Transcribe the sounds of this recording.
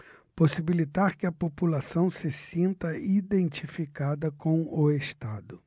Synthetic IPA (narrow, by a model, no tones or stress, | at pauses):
posibilit̪aɾkɪɐpopulasɐ̃w̃sɪsĩnt̪ɐid̪ẽnt͡ʃifikad̪ɐkõw̃ʊest̪ad̪ʊ